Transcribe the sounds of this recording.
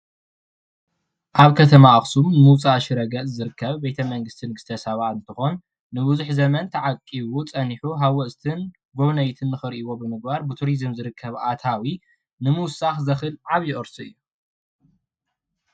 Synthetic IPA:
ʔaβkʰɐt̪ʰɐmaɐxsumnɨmɨwt͡sʼaʃiɾɐɡɐʔʼzɨɾɨkʰːɐβbet̪ʰɐmɐŋɡɨst̪ʰinɡɨst̪ʰɐsɐβaɨnt̪ʰɨxon | nɨbuzuħzɐmɐnt̪ʰɐʕakʼːiβut͡sʼɐniħuɦawɔʔst̪ʰɨn | ɡoβnɐjt̪ʰɨnːɨxɨɾʔiβo̞bɨmɨɡ̚baɾbɨt̪ʰuɾizɨmzɨɾɨkʰːɐβʔat̪ʰawi | nɨmuwsaxzɐxɨlʕaβjɪʔʼɨɾsuɨ̰jːu

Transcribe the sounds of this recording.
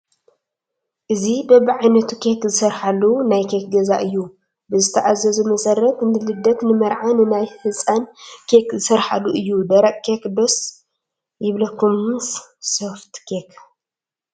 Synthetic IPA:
ʔɨzibɐbiʕajnɐt̪ʰukʰekzɨsɐɾħalunajkʰek̚ɡɐzaʔɨjːu | bɨzɨt̪ʰɐʔazɐzɨmɐsɐɾːɐt̪nɨlɨd̪ɐt̪nɨmɐɾʕanɨnajhɨsʼankʰekzɨsɐɾħa̰luʔɨjːud̪ɐɾɐʔkekd̪os | jɪβlɐkʰːumssoft̪kʰek

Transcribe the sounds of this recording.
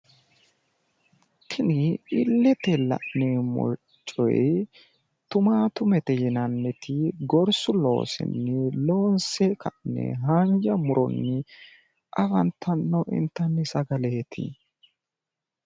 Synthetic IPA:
t̪ʰɪnɪɪlːɛt̪ɛlɐ̰ʔnɛmɔ̰ | t͡ʃʼːɔ̰j̰ | t̪ʊmaːt̪ʊmɛt̪ɛjɪnɐnːɛt̪ʰɪɡɔɾsʊlo̞̰ːsɪ̰nːɪlo̞ːnsɛkʰɐʔnːɛ̰ɦaɲd͡ʒɐmʊɾɔ̰nːɪ | ʔɐfɐnt̪ʰːɐnːɔʔɪ̰nt̪ːɐnːɪsɐɡɐleːt̪ʰɪ̰

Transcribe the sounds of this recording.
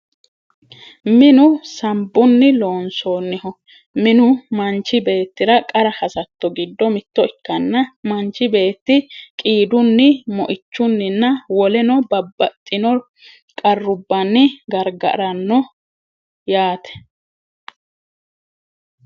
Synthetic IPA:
mɪnʊsɐmbːʊnːɪlo̞ːnsoːnːɪhɔ | mɪnʊmɐnt͡ʃːɪbe̞ːt̪ːɪɾɐkʼɐɾɐhɐsɐt̪ːɔɡɪd̪ːɔmɪt̪ːɔɪkːɐnːɐmɐnt͡ʃːɪbe̞ːt̪ːɪkʼiːd̪ʊnːɪmɔ̰ʔɪt͡ʃːʊnːɪnːɐwɔlɛnɔbɐbːɐt̪ʼːɪnɔ | kʼɐrːʊbːɐnːɪɡɐɾɡɐ̰ʔɾɐnːɔ | jaːt̪ɛ̥

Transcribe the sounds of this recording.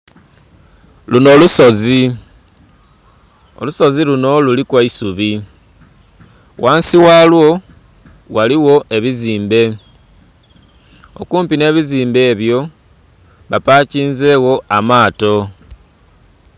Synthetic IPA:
luno̞ːluso̞zi | o̞̰luso̞ziluno̞lulikwaisuβi | waːnsiwalwo̞ | waliwo̞ʔe̞βiziːmbe̞ | o̞̰kuːmpine̞ːβiziːmbe̞ːβjo̞ | βapaciːnze̞ːɣo̞ʔamaːto̞

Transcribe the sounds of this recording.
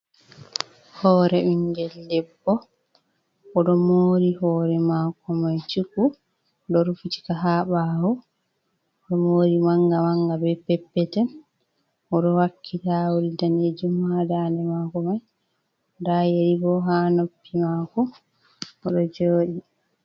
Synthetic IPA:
hɔːɾɛʔiŋɡɛldɛbːɔ | ɔɗɔmoːɾihɔːɾɛmakɔmajt͡ʃuku | ɗɔɾufuti̥kaɦaɓahɔ | ɗɔmoːɾimaŋɡamaŋɡabɛpːɛpːɛtɛn | ʔɔɗɔwakʰːitawulitaned͡ʒumhadanɛmakɔmaj | dajeɾibɔɦanopːimakɔ | ʔɔɗɔd͡ʒoːɗi

